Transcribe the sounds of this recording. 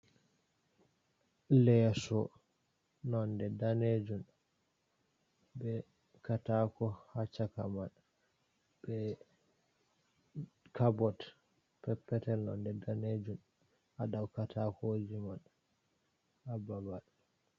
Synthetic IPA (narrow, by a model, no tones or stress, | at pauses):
lɛsɔ | nɔndɛdaned͡ʒun | bɛ | katakɔhat͡ʃːakaman | b̥ɛ | kʰabɔt | pɛpːɛtɛlnɔ̰ndɛdaned͡ʒun | aɗawkatʰakod͡ʒiman | ababaɗ